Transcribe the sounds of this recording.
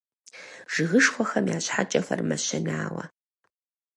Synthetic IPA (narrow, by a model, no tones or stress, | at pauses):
ʐ̥ɨɣɨʂxʷɔxɐmjaːɕħat͡ʃʼɐfɐrmɐɕɐnaːwɐ̰